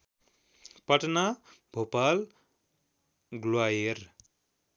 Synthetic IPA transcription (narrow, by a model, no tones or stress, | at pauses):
pʌʈnabʱopal | ɡlwajer